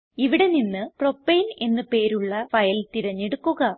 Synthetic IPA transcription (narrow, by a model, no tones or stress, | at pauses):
iʋiɽe̞ninːɨpro̞pːɐjne̞nːɨpe̞ːɾuɭːɐfɐjɐlt̪iɾɐɲːeɽukːuɣɐ